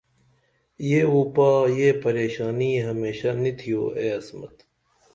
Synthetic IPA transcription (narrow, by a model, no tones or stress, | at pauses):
jeːuːpaːjeːpɐɾeːɕaːniːɦɐmeːɕanit̪ʰijo̰ːeːɐsmɐ̰t̪